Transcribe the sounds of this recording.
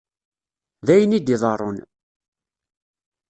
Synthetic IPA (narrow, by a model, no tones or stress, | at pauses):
ðæjənid̪iðˤɑrˤːon